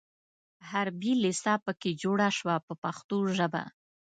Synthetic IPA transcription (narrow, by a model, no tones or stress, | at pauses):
haɾbilɪsɑpəked͡ʒoɽaʃwapəpaxt̪oʒəba̰